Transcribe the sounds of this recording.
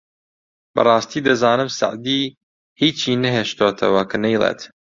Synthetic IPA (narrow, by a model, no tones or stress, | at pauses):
b̥ɐ̰rˤɑːst̪iːd̪ɐzɑːnɨmsɐ̰ʕd̪iː | hiːt͡ʃiːnɐɦeːʃt̪oːt̪ʰɐ̰wɐkɐnɐjlˠḛːt̪